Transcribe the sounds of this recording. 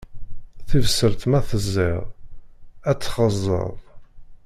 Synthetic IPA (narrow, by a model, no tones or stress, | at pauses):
θivəsəɾt̪mæθəzːḭʁ | æt͡sːχəzˤːə̰ðˤ